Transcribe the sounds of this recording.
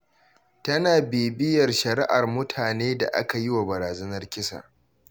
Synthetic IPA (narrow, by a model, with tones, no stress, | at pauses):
tɐ˦naː˨beː˨bɪ˦jɐ˨rʃɐ˨ɾɪ̰˦ʔa˨rmʊ˦tʰaː˨neː˦da̰˨ʔa̰˦ka˨jɪ˦wa˨bɐ˨ɾaː˨zɐ˦nɐ˦rkʲɪ˦sa̰ː˨